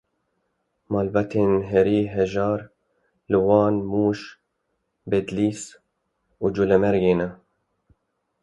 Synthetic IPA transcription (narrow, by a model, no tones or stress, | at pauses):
mɑːlbat̪ʰeːnɦɛɾiːɦɛʒɑːɾ | lwɑːnmuːʃ | bed̪liːs | ud͡ʒulɛmɛɾjeːnɛ